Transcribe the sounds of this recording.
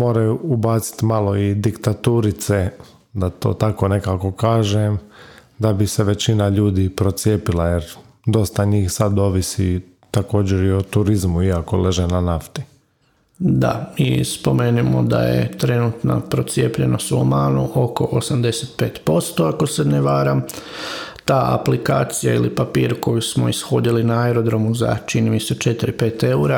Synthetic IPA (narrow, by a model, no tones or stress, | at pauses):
mo̞ːɾajuːbaːt̪si̥t̪maːlˠo̞id̪ikt̪at̪uːɾit̪se̞ | d̪at̪o̞̰ːt̪ako̞ne̞kaːko̞kaːʒem | d̪abiseʋe̞t͡ɕinaʎuːd̪ipɾo̞t̪sje̞ːpilajeɾ | d̪o̞st̪aɲiːxsad̪o̞ːʋisi | t̪ako̞ːd͡ʑeɾiot̪uɾizmuiako̞le̞ʒenanaft̪i̥ | d̪a̰mḭspo̞me̞ːnimo̞̰d̪a̰jḛt̪ɾe̞nut̪na̰pɾo̞t̪sje̞ːpʎe̞̰nosomaːnuʔo̞ko̞ʔosamd̪eset̪pe̞ːt̪po̞st̪o̞ako̞se̞neʋaːɾam | t̪aːʔa̰plikaːt̪sijailipapiːɾuko̞jusmoisxo̞ːd̪ilinaaeɾo̞d̪ɾo̞muza̰t͡ʃinimise̞t͡ʃe̞t̪iɾipe̞ːt̪e̞uɾa